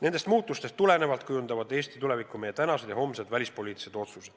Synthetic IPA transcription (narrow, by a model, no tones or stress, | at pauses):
ne̞nd̪e̞st̪muːt̪ːˑust̪e̞st̪ːule̞ne̞vɑlt̪kujund̪ɑvɑd̪e̞ːst̪i̥t̪ule̞vikːˑumejːet̪ænɑsed̪jɑho̞mse̞d̪̥vælʲispo̞lʲiːt̪ːˑi̥sed̪̥o̞t̪sused̥̪